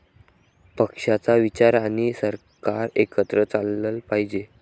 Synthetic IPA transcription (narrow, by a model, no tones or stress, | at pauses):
pəkʂat͡saʋit͡ɕaɾaɽ̃isəɾ | kaɾekət̪ɾət͡salːəlpaɦid͡ʑe